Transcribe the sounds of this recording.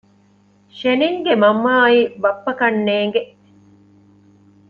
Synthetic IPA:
ʃeniŋɡemɐmːaːibɐpːɐkɐnːeːŋɡeʔ

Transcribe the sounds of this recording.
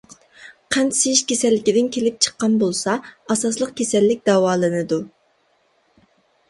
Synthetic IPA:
qʰɛnsejiʃkʲesɛlːɪkʲid̪ɪnkʲʰelɪp̚t͡ʃʰə̥qːɑnbolˠsɑɑsɑslˠəqkʲʰesɛlːɪk̚ʲd̪ɑwɑːlˠɨnɨd̪u

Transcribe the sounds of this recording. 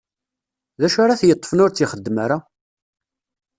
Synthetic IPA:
ðæʃaɾɑθjət̪ˤːfənʊɾt͡sːiχəd̪ːmaɾa

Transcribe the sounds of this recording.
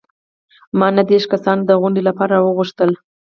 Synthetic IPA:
mɑnad̪eʃkasɑnd̪əɣʊɳɖelapɑɾawəɣʊʂt̪əl

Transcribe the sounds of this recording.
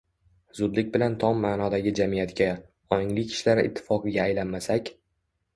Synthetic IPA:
zʊd̪lɪk̚ʲbɪlant̪ʰɒmːaːnɒd̪aɡʲɪd͡ʒamijat̪kʲa | ɒɪŋlɪkʲʰɪ̥ʃlaɾɪʔɪ̰t̪ʰːɪ̥fɒqɨɡʲaːjlanmasakʲ

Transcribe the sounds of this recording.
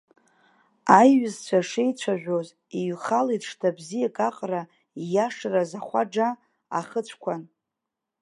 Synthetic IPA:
ajɥʊzt͡ɕʷʰaʂejt͡ɕʷʰaʒᶣʷoz | iɥχalejtʰʂtʰabzijakʼaqʼra | jaʂrazaχʷa̰ɖ͡ʐa | a̰χət͡ɕʷʰkʷʰan

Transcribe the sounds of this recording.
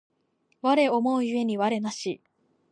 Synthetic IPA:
βaɾe̞o̞mo̞ɯjɯ̟e̞ɲ̟iβaɾe̞naɕi

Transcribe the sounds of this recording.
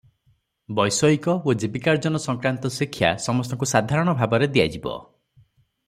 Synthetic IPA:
bɔjsɔikɔod͡ʒibikaɾd͡ʒɔnɔsɔŋkɾant̪ɔsikʰːja̰sɔmɔst̪ɔŋkusad̪ʱaɾɔɽ̃ɔbʱabɔɾed̪ija̰d͡ʒibɔ̰

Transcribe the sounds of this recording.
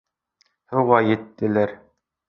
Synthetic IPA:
huʁɑjɘ̆t̪ːɘ̆læɾ

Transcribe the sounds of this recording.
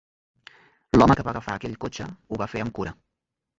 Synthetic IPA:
lɔməkəβaɣəfa̰ːkɛʎkot͡ʃəuβafeəmkuɾə

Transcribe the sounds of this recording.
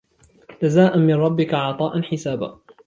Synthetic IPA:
d͡ʒazaːʔanmɪnɾˤɑbːɪkaʕɑt̪ˤɑːʔanħɪsaːba̰ː

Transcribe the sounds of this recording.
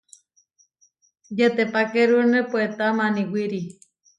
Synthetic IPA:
jet̪epakeɾunepwet̪amaniwiɾi

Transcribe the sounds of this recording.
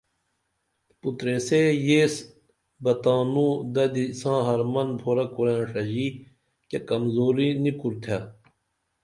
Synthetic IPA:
put̪ɾesejeːs | bɐt̪aːnũːd̪ɐd̪isãːɦɐɾmɐnbʱoːɾɐkuɾẽːʂɐd͡ʑiː | kekɐmzoːɾinikuɾt̪ʰa

